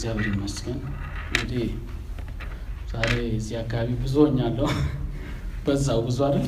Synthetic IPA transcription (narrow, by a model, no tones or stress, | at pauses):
zjaβəɾɨnːəsɡən | ŋɡɨd̪i | zaɾeɨzːiakːaβaβibɨzoɲːalːəw | b̥əzawbɨzwaɾɨ